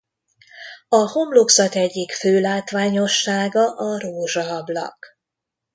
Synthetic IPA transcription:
ɒho̞mloksɒt̪ɛɟːikføːlaːt̪ʋaːɲo̞ʃːaːɡɒʔɒroːʒɒːblɒ̰k

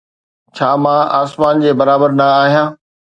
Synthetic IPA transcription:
t͡ɕʰaːmãaːsmaːnd͡ʑeːbɐɾaːbəɾnɐaːɦijãː

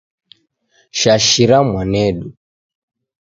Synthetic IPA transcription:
ʃaʃiɾamwanɛɗu

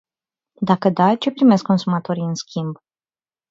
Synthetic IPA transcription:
d̪akəd̪at͡ʃe̞pɾime̞skːo̞nsumat̪o̞ɾiɨnskʲimb

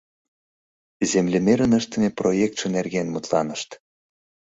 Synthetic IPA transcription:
zemlʲemeɾənəʃt̪ə̆mʲeprojek̚t̪ʃĕnerɣenmut̪lɑ̰nəʃt̪

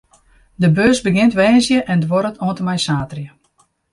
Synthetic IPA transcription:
dəbøːsbəɡɪntʋɛːnsjəʔɛndʋɔɾətʰoəntəmɛjsaːtrjə

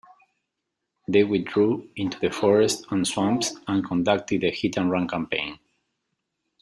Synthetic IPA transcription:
ðewidɹuĩnt̪uðəfɔɹɛstãnswãmpsãnkʰɔ̃ndak̚t̪ɨd̪əhit̪ə̃nɹʌ̃nkʰãmpḛ̃ɪ̃n

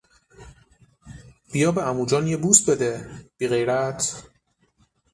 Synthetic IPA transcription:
b̥ijɒːbeæmuːd͡ʒɒːnjebuːst̪̚bed̪eb̥iːɣejɾæt̪ʰ

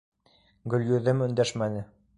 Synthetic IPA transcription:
ɡɵ̆ljɵ̆ðɘmɵ̆nd̪æʃmænɘ

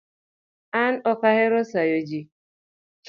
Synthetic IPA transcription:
an̩ɔkaɦɪɾʊsajod͡ʒi

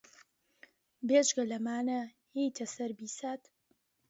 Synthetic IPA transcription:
beːd͡ʒɡɐlɐmaːnɐ | hijt̪ʰɐsɐɾbiːsaːt̪

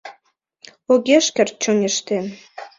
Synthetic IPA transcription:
oɣʲeʃkʲĕrt̪̚t͡ɕoŋĕʃt̪en

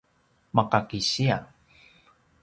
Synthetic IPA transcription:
makakiɕia

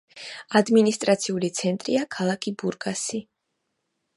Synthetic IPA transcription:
ad̪minist̪ʼɾat̪sʰiulit̪sʰɛnt̪ʼɾḭakʰalˠakʰibuɾɡasi

